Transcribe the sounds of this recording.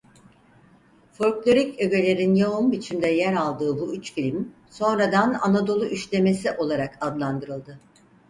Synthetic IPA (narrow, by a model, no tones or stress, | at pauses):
fo̞ɾklʲˠo̞ɾicø̞ɡe̞lʲe̞ɾinjaumbit͡ʃʰimd̪ɛjæɾalˠd̪ɯːbuyt͡ʃfilʲim | so̞nɾad̪ana̰nad̪o̞lˠuʔyʃlʲe̞me̞siʔo̞lˠaɾakʰad̪lˠand̪ɯɾɯlˠd̪ɯ